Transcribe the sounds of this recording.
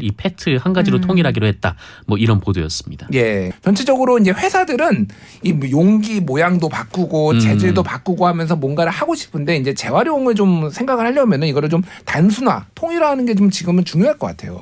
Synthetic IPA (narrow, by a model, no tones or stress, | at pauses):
ipʰetʰɯhanɡad͡ʑiɾotʰoŋiɾɦaɡiɾohe̞t̚t͈a | mwʌiɾʌnpodojʌs͈ɯmɲid̥aje̞t͡ɕʌnt͡ɕʰid͡ʑʌɡɯɾoind͡ʑe̞ɸwe̞sʰadɯɾɯn | imjoŋɡimojaŋdopak͈uɡot͡ɕe̞d͡ʑiɭdopak͈uɡohamjʌns̬ʰʌmwʌnɡaɾɯɭhaɡoɕʰi̥pʰɯnde̞ind͡ʑe̞t͡ɕe̞waɾjoŋɯɭt͡ɕomsʰe̞ŋɡaɡɯɭhaʎjʌmjʌnɯniɡʌɾɯɭt͡ɕom | tans̬ʰuna̰tʰoŋiɾaɦanɯnɡe̞t͡ɕomt͡ɕiɡɯmɯnt͡ɕuŋjoɦaɭk͈ʌk͈a̰tʰe̞̰jo̰